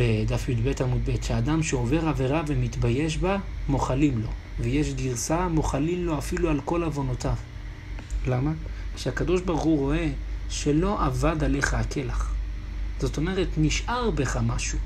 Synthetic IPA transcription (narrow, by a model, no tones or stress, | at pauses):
ved̪afjudbetamud̪̚be̞tʃeadamʃeo̞ve̞ʁave̞ʁave̞mitbaje̞ʃ̬bamo̞χalimlo̞ | vejeʃ̬diʁsamo̞χalimlo̞afilualko̞lavo̞notav | lamaʃeakado̞ʃbaʁχuʁo̞e̞ʃe̞lo̞ʔavadale̞χaːkʰe̞laχ | z̥o̞to̞me̞ʁetniʃʔaʁbeχamaʃu